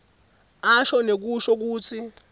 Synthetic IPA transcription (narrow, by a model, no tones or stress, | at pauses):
aʃɔnek̬uʃɔk̬uːt͡sʰi